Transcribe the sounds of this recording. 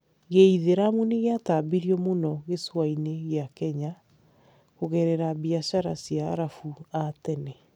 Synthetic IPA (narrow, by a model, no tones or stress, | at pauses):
ɣeiðeɾamuneɣeataːbiɾiɔmonɔɣeswaineɣeakɛɲa | ɣoɣɛɾɛɾabiaɕaɾasjaɾafuatɛnɛ